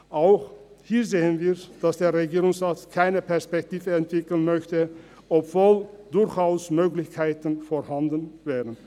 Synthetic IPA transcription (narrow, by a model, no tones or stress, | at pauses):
ʔaʊx | hiːɐzeːənviːɐd̥asd̥eːɐʁeɡiːʁʊŋsʁaːtkʰaɪnəpɛɐspɛktiːvəɛntv̥ɪkl̩nmœçtə | ʔɔpv̥oːld̥ʊɐçʔaʊsmøːklɪçkʰaɪtənfoɐhandənvɛːʁən